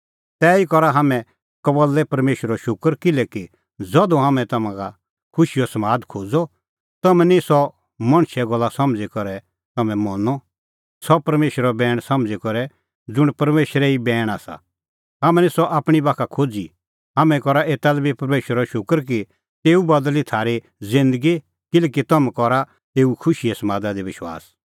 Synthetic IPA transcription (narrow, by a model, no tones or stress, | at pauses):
t̪ɛːikɔɾaɦɐmɛ̃ | kɐbəlːɛpɐɾmeːʃɾɔʃʊkəɾkɪlɛki | d͡zɔd̪ɔ̃ɦamɛ̃t̪ɐmãɡa | kʰʊʃijɔsɐmaːd̪kʰoːd͡zɔ | t̪ɐmɛ̃nisɔ | mɐ̃ɽ̃ʃɛɡɔlːasɐmd͡zikɔɾɛ | t̪ɐmɛ̃mɔnɔ | sɔpɐɾmeːʃɾɔbɛːɽ̃sɐmd͡zikɔɾɛ | d͡zʊɽ̃pɐɾmeːʃɾɛibɛːɽ̃aːsa̰ | ɦɐmɛ̃nisɔʔaːpɽ̃ibaːkʰakʰoːd͡zi | ɦamɛ̃kɔɾaʔeːt̪alɛbipɐɾmeːʃɾɔʃʊkəɾk̬i | t̪eːubɐd̪əlit̪ʰaːɾe | zɪ̃nd̪əɡi | kɪleːkit̪ɐmɛ̃kɔɾa | t̪eːukʰʊʃijɛsɐmaːd̪ad̪ibɪʃwa̰ːs